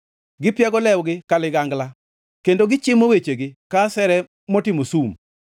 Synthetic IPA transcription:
ɡɪpjaɡɔlɛwɡɪkalɪɡaŋɡla | kendoɡɪt͡ʃɪmowet͡ʃeɡɪkasɛɾɛ | mɔtɪmosum

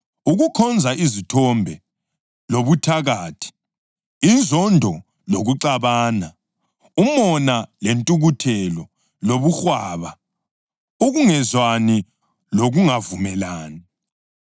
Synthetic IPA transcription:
uɣukʰɔnd͡zʱaʔizitʰɔmbʱɛ | loβutʰaɣaːtʰi̥ | inzʱɔndʱɔ | loɣuǀaβaːna | umɔnalentʼuɣutʰɛlɔ | loβuxwaːβa | uɣuŋɛzwani | loɣuŋavumɛlaːni

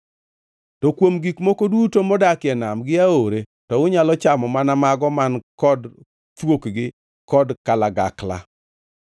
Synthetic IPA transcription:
tɔkwomɡikmokodutomɔdakɛnamɡɪaoɾe | tɔʊɲalɔt͡ʃamɔmanamaɡɔmankɔd | t͡ʃwokɡɪ | kɔdkalaɡa̰kla̰

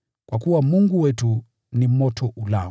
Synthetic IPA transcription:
kwakuwamuŋɡuwɛtu | nimɔtʰɔʔula̰

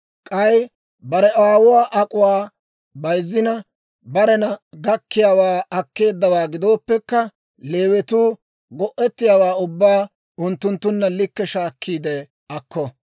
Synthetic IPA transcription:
kʼɐj | bɐɾɛʔwaːwʊwaːʔɐkʼʊwaː | bɐjzːɪnɐ | bɐɾɛnɐɡɐkːɪjaːwaːɐkːe̞ːd̪ːɐwaːɡɪd̪o̞ːpːɛkːɐ | le̞ːwɛt̪uː | ɡɔʔːɛt̪ːɪjaːwaːʊbːaː | ʊnt̪ːʊnt̪ːʊnːɐlɪkːɛʃaːkʰːiːd̪ɛ | ɐkːɔ

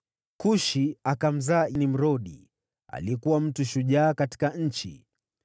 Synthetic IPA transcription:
kuʃiakam̩zaːʔinim̩ɾɔɗi | a̰liɛkuwam̩tuʃuʄaːkati̥kaɲ̩t͡ʃḭ

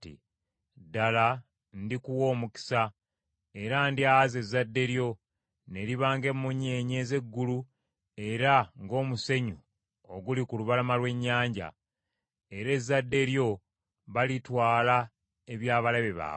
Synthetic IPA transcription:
tḭ | dala | ndikuwo̞ːmuki̥sa | e̞ɾandiaaze̞zːadːe̞ɾjo̞ | ne̞liβaːŋɡe̞mːuɲe̞ːɲe̞ːze̞ɡːulu | e̞ɾaŋɡo̞ːmuse̞ɲu | oɡulikuluβalamalwe̞ɲːaːɲɟa̰ | e̞ɾe̞zːadːe̞ɾjo̞ | βalitwaːla | eβjaːβalaβeβa̰ː

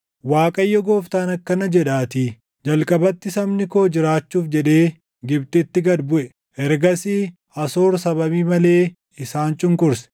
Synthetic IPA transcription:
waːkʼɐjːɔɡoːft̪aːnɐkːɐnɐd͡ʒɛᶑaːt̪i | d͡ʒɐlkʼɐbɐt̪ːɪsɐmnɪkoːd͡ʒɪɾaːt͡ʃːuːfd͡ʒɛᶑeː | ɡɪbt̪ɪt̪ːɪɡɐd̪bʊʔɛ | ʔɛɾɡɐsiː | ɐso̞ːɾsɐbɐbiːmɐle̞ː | ɪsaːnt͡ʃʼʊŋkʊɾsɛ̥

